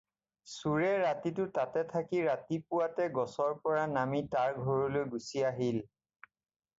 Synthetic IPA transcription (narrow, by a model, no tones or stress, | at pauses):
suɹɛɹatitʊtatɛtʰakiɹatipʊwatɛɡɔsɔɹpɔɹanamitaɹɡʱɔɹɔlojɡusiaɦil